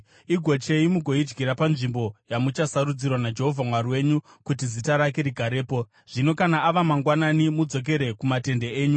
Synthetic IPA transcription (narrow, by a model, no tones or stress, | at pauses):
iɡʱo̞t͡ʃe̞imuɡʱo̞id͡ʒɡiɾapanʐimbo̞jamut͡ʃasaɾud͡zirwanad͡ʒe̞ɦo̞vʱamwaɾiwe̞ɲu | kutizitaɾake̞ɾiɡʱaɾe̞ːpo̞ | ʐ̥ino̞kanaʔaʋamaŋɡwananimud͡zo̞k̬e̞ɾe̞kumate̞ndeeːɲu